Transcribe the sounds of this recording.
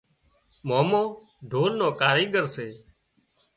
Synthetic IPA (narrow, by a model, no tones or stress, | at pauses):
moːmõː | ɖʱoːnnõːkaːɾiːɡəɾseː